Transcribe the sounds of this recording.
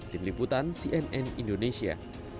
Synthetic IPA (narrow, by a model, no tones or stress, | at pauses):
t̪imliput̪ansiʔɛnɛnindonesia̰